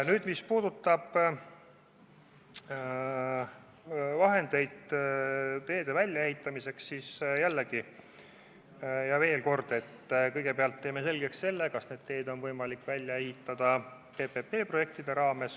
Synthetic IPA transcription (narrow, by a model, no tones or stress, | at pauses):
nyːd̪̥mispuːd̪̥ut̪ːˑɑb̥ | vɑɦe̞nd̪̥e̞jd̪̥ | t̪e̞ːd̪e̞vælʲjɑeɦit̪ːˑɑmise̞ksːiːsjælːeɡ̥i | jɑve̞ːlko̞rd̪̥e̞t̪ːkɤjɡ̥e̞peɑlt̪ːe̞ːme̞s̬e̞lɡe̞ksse̞lːekɑsne̞ːd̪̥̚t̪e̞ːd̪̥o̞nvɤjmɑlikːˑvælʲjɑehit̪ːˑɑd̪̥ɑ | pe̞pe̞pːe̞ːpro̞je̞k̚t̪id̪̥e̞ɾɑːme̞s